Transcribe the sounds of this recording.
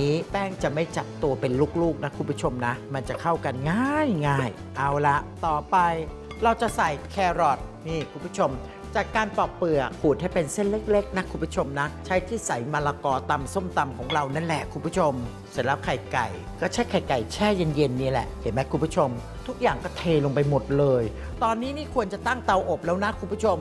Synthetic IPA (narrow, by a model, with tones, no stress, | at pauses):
niː˦˥pɛː˥˩ŋt͡ɕa˨˩ʔma˥˩jt͡ɕa˨˩p̚t̪u˧ɐpe˧nluː˦˥˩k̚luː˥˩k̚na˦˥kʰuː˧˩pʰu˦˥t͡ɕʰo˧mna˦˥ma˧nt͡ɕa˨˩kʰa˥˩wka˧nŋaː˥˩˥jŋaː˥˩j | ʔa˧wla˦˥ʔt̪ɔː˨˩pa˧j | ɾa˧wt͡ɕa˨˩ʔsa˨˩jkʰɛː˧ɾɔ˨˩t̪̚niː˥˩kʰuː˧˩mpʰu˥t͡ɕʰo˧m | t͡ɕaː˨˩kːaː˧npɔː˨˩k̚pɯ˨˩əkʰuː˨˩t̪̚ha˥˩jpe˧nse˥˩nle˦˥k̚le˦˥k̚na˦˥kʰuː˧pʰu˥t͡ɕʰo˧mna˦˥t͡ɕʰa˦˥jt̪ʰiː˥˩sa˩˦jma˧laː˧kɔː˧t̪a˧mso˥˩mt̪a˧mkʰɔː˩˦ŋɾa˧wna˦˥˩nlɛ˨˩ʔkʰu˨˩mpʰu˥t͡ɕʰo˧m | sa˨˩˦nla˦˥p̚kʰa˨˩jka˨˩j | kɔː˥˩t͡ɕʰa˦˥˩kʰa˨˩jka˨˩jt͡ɕʰɛː˥˩je˧nje˧nːi˦˥˩lɛ̰˨˩ʔhʰe˨˩˦mɛ˦˥ku˧˩pʰu˥t͡ɕʰo˧m | t̪ʰu˦˥k̚jaː˨˩ŋkɔː˥˩t̪ʰeː˧lo˧ŋpa˧jmo˨˩t̪̚lɤː˧j | t̪ɔː˧nːiː˦˥miː˥˩kʰu˧ənt͡ɕa˨˩t̪a˥˩ŋt̪a˧wʔo˨˩p̚lɛː˦˥wna˦˥kʰu˧˩mpʰu˥t͡ɕʰo˧m